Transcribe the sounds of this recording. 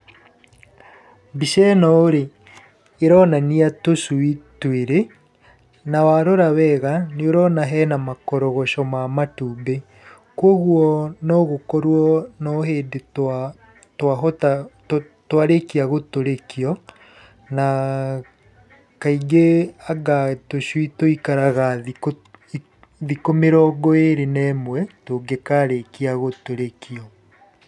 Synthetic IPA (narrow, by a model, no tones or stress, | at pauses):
biʃɛnɔoɾe | eɾɔnaniatosuitweɾe | nawaɾoɾawɛɣaneoɾɔnaɦɛnamakɔɾɔɣɔʃɔmamatuːbe | kwɔɣwɔnɔɣokɔɾwɔnɔɦeːde | twaɦɔta | twaɾekiaɣotoɾekiɔ | na | kaiɡeaɡatoʃwitoikaɾaɣao | ðikomeɾɔːɡɔeɾenɛmwɛtoːɡekaɾekiaɣotoɾekiɔ